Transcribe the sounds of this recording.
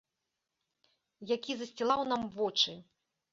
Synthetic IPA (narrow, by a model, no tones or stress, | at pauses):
jakʲizɐsʲt͡sʲilˠawn̪amvɔt͡ʂɨ